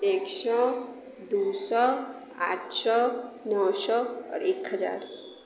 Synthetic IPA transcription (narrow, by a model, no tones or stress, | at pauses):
eːksɔ | d̪uːsɔ | a̰ːʈʰsɔnɔwsɔɔ̰ːɾeːkɦəd͡ʒa̰ːɾ